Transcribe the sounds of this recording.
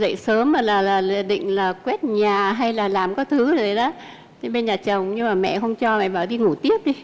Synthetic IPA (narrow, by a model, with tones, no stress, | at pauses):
zə̰˧˨jsəː˨˦ma˨˩laː˨˩laː˨˩lḭ˧˨ɗḭ̈˧˨ŋ̟laː˨˩kwɛ˦˥t̚ɲaː˨˩ɦa˧jlaː˨˩laː˨˩mkɔ˨˦t̪ʰɨ˨˦zo˨˩jɗaː˨˦ | t̪ʰi˨˦ɓe˧nɲaː˨˩t͡ɕə˨˩wŋ͡mɲɨ˧ŋmaː˨˩mɛ̰˧˨xə˧wŋ͡mt͡ɕɔ˧mɛ̰˧˨jɓaː˨˩wɗi˧ŋu˧˩t̪i˦˥əp̚ɗi˧